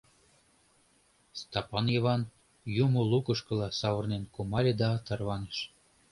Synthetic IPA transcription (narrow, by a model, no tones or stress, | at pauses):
st̪ɑpɑnjeβɑn | jumolukəʃkɤ̆lɑsɑβɤrnenkumɑlʲed̪ɑt̪ə̆rβɑneʃ